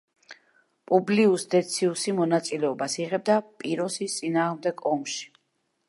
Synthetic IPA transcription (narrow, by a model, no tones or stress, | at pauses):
pʼubliusd̪ɛt̪sʰiusimɔnat̪sʼilɛɔbasiʁɛb̚d̪apʼiɾɔsist̪sʼinaːʁmd̪ɛɡɔmʃi̥